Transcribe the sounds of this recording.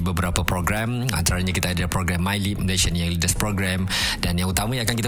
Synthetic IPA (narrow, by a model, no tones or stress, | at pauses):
bəbəɾapapɾoɡɾɛm | a̰nt̪aɾaɲakit̪aːdalpɾoɡɾɛmːajlimleʃənjaŋlidəspɾoɡɾɛm | danjaŋut̪amãjãakankit̪